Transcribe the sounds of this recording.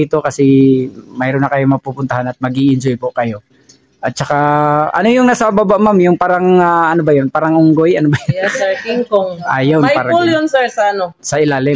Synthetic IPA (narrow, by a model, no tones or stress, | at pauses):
iːt̪o̞kɐsɛmajɾonːɐkɐjomɐpupʊnt̪ɐhanɐt̪̚mɐɡiʔɪnd͡ʒojpʊkɐjo̞ | ʔɐt̪̚t͡ʃɐkaʔɐ̰no̞jʊŋnɐsababaʔmamjʊŋpaːɾaŋaɐnobɐjonpaːɾaŋʊŋɡojʔɐnobɐjʊnkiŋkoŋʔajownpaːɾɐʊljonsɛɹsɐɐnosɐʔɪlaːlɪ